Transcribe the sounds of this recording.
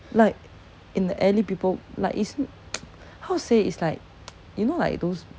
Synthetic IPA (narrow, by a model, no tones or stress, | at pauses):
laɪk̚ | ĩndəʔɛlipipəllaɪkis | haʊseitslaɪk̚ | junola̰ɪk̚d̪os